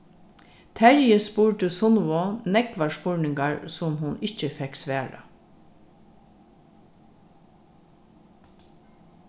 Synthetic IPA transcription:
t̪ʰæɹjəspuːɹʈəsʊnʋɔnɛɡʋaʂpʊɹɳɪŋɡaɹsʊmhʊnɪt͡ʃəfɛksʋæːɾə̰

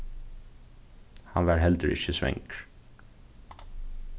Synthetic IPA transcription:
hɑnʋæːɾhɛld̪əɾʔɪ̰çəsʋɛ̰ŋk

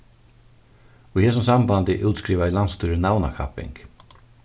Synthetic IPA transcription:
ɔihɛːs̬ʊmsambant̪ɪʔuwt̪skɾiːʋailanst̪uːɾɪnawna̰kʰa̰pɪ̰ŋk

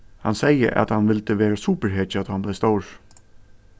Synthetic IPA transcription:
hɑnsɛɪə̰ʔɑ̰t̪hɑnʋɪlt̪əʋeːɾəsuːpəɾheːt͡ʃɑt̪hɑnblɛɪst̪oʊɹ

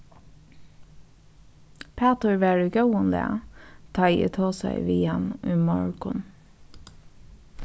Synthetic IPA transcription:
pʰæːt̪əɹʋæːɹəɡœʊənd̪ɛ̰t̪ʰɑɪḭːt̪ʰoːsæ̰ɪʋiːɑnʉːmɔɹkʊ̰n

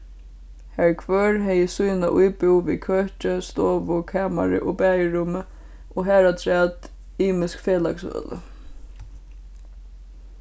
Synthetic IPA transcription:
hɛɹkʰvœːɹɦɛjəsujnaʔujpɪwʋḭkʰœht͡ʃəst̪oːʋʊkʰæːma̰ɾɪ̰ʔɔpæːjəɹʊmə | ɔɦæːɾat̪ʰɾɛːt̪ | iːmɪskfeːlaksœ̰ːlə̰

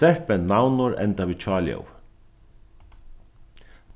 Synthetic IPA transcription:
ɛhpɛnːawnʊɾɛ̰nt̪aviːt͡ʃʰɑːljɔ̰w

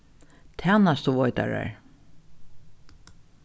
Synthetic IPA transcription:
t̪ʰɛːnast̪uvɔjt̪a̰ɹa̰ɹ

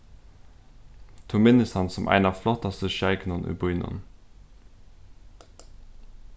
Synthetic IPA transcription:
t̪ʰumɪnəst̪hɑnsɔmʔæ̰ɪnɑflɔt̪ɑst̪əʃæɪknɔnʔʉ̰bʊʏnɔ̰n

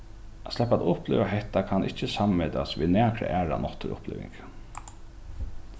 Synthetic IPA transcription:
ʔaslɛpaːt̪ʊhplḛːʋaɦɛht̪akʰanʔɪht͡ʃːəsammeːt̪asʋiðnæːkɾə̰ʔæːɹa̰nɔt̪əɾʊ̰plḛːʋɪ̰ŋk

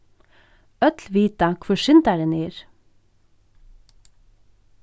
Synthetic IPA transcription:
œt̪lʋiːt̪ɑkʰʋʊʃɪnt̪æɾəniːɾ

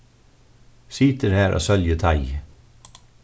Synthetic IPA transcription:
sɪːt̪əɾhæːɹʔo̰ːsœljət̪ʰɑɪ

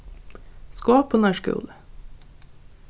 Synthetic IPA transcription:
skoːpʰʊnæʃkʉ̰ːlə

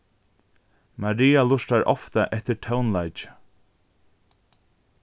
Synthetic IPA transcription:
maɾiːalʊʂt̪aɾʔɔ̰ft̪aʔɛht̪ɪɾtʰawnlajt͡ʃɪ̥

